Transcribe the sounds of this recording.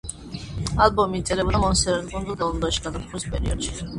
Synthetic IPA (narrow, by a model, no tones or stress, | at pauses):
albɔmit̪ʼɛlɛbd̪amɔnsɛɾɛnɡɔnd̪ud̪alˠɔnd̪aʃi̥ɡad̪apχʰuɾispʼɛ̰ɾḭɔ̰d̪̥ʃi̥